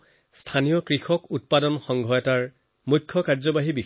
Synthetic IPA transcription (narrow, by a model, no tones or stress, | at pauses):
stʰanijɔkɹixɔkut̚padɔnxɔŋɡʱɔjɔtaɹ | mukʰːɔkaɹzɔbaɦibi